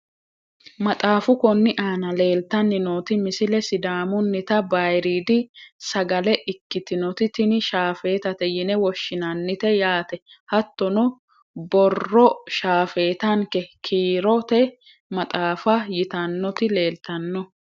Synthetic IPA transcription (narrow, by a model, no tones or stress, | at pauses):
mɐt̪ʼaːfʊkɔnːɪʔaːnɐle̞ːlt̪ːɐnːɪnoːt̪ɪmɪsɪlɛsɪd̪aːmʊnːɪt̪ɐbɐjɾiːd̪ɪsɐɡɐlɛʔɪkːɪt̪ɪnɔt̪ɪt̪ɪnɪʃaːfe̞ːt̪ɐt̪ɛjɪnɛwɔʃːɪnɐnːɪt̪ɛjaːt̪ɛ | hɐt̪ːɔnɔ | bɔrːɔʃaːfe̞ːt̪ɐŋkɛkʰiːɾɔt̪ɛ | mɐt̪ʼaːfɐjɪt̪ɐnːɔt̪ɪle̞ːlt̪ɐnːɔ